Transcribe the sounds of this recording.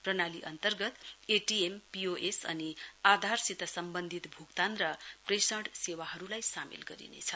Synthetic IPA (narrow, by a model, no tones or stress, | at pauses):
prʌnaliʔʌ̰nt̪ʌrɡʌt̪eʈiempioʔesʌ̰niad̪ʱarsit̪ʌsʌmbʌnd̪ʱit̪bʱukt̪ant̪rʌpresʌɽsewaɦʌɾulajsamḭlɡʌɾḭnḛt͡sʰʌ